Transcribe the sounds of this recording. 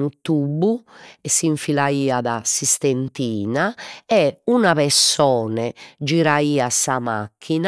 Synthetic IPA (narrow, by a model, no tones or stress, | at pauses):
nut̪ubːuɛsːiɱfilaiːaðasist̪ent̪iːnaɛunapɛɾsɔːnɛd͡ʒiɾaiːasama̰kʰːina